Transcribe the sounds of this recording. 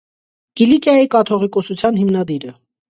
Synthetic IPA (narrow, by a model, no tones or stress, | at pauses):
ɡ̥ilikjɑjikɑt̪ʰɔʁikɔsut͡sʰjɑnɦimnɑd̪iɾə